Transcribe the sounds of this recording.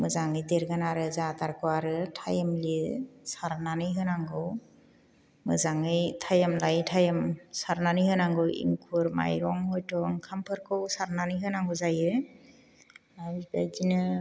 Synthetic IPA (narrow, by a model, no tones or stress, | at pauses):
mɯzaŋɯjdeɾɡanaɾɯzataɾkʰɯwaɾɯtʰajemlisaɾnanɯjɦɯnaŋɡɯw | mɯzaŋɯjtʰajemlajtʰajamsaɾnanɯhɯnaŋɡɯwḭŋkʰuɾma̰jɾɔŋhɔjtɔŋkʰampʰɯɾkʰɯwsaɾnanɯjɦɯnaŋɡɯzajɯ | aibajɡinɯ